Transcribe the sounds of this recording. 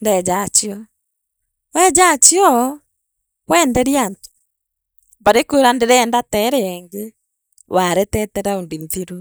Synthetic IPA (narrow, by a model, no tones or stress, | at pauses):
ndɛd͡ʒat͡ʃiɔ | wɛd͡ʒat͡ʃiɔ | wɛndɛɾjanto̥ | baɾekoːɾandeɾɛːndatɛɾɛɛŋɡe | waɾɛtɛtɛɾaondinθiɾu